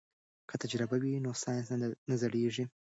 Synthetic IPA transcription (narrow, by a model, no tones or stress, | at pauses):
kʰət̪ad͡ʒɾɪbawinosɑjnsnazaɽeʐi